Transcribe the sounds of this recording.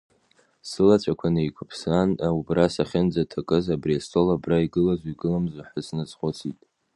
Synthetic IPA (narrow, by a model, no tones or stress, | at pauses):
sɨlat͡ɕʷʰʼakʷʰanaikʷʰʊpʰsanaubrasaχʲɪnd͡zatʰakʼɨzabriastʰʼo̞labraiɡɨlazʷiɡɨlamzʷaħəsnɨt͡sʼχʷʊt͡sʰitʼ